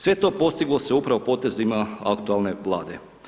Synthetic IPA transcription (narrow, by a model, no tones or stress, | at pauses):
sʋe̞t̪o̞ːpo̞st̪iɡlˠo̞seupɾaʋo̞po̞ːt̪e̞zimaa̰kt̪ualˠne̞ʋlˠa̰ːd̪e